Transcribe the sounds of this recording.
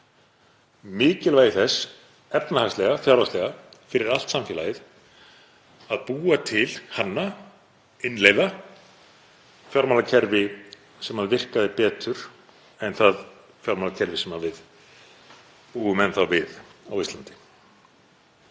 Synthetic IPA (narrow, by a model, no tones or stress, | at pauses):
mɪːcɪlvaːjɪθɛs | ɛpnahast̪lɛɣafjawɾast̪ɛɣafɪɾɪɾal̥t̪samfɛːlajɪθ | aðpuːat̪ʰɪlhanːa | ɪnlejva | fjɔɾmalacʰɛɾvɪ | sɛmhaðvɪr̥kaðɪpɛːt̪ʏɾ̥ | ɛnθað | fjaɾmalacʰɛɾvɪsɛmavɪð | puːɣʏmɛnθawvɪðawist̪ant̪ɪ̥